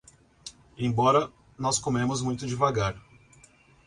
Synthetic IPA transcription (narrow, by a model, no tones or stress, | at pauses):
ẽj̃bɔɾɐ | nɔskomẽmʊzmũj̃t̪ʊd͡ʒɪvaɡaɾ